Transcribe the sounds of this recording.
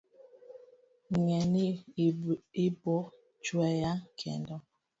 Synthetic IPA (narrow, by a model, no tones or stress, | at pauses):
ŋɛni | ibɔ | t͡ʃwɛjakʰɛ̰ndɔ